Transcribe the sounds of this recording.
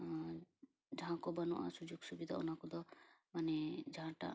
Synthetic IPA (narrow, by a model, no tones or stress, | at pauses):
d͡ʒaɦãkɔbanɔʔa̰sud͡ʒoɡsubid̪ʱaɔ̰nakɔd̪ɔmaned͡ʒaɦãʈa̰